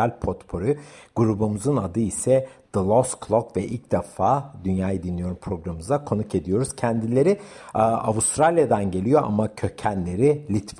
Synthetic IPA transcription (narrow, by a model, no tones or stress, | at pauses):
alʲpʰot̪pʰo̞ɾyɡ̥uɾubumuzɯnad̪ɯisɛd̪̥ɯlˠosklˠokvɛʔilc̚d̪efaːd̪ynjaːjɯd̪inlʲijo̞ɾumpʰɾo̞ɡɾamɯzakʰo̞nuke̞d̪ijo̞ɾuz̥cʰænd̪ilʲe̞ɾiavust̪ɾalʲjad̪anɟe̞lʲijo̞ʔa̰macʰø̞cʰænlʲe̞ɾilʲit̪v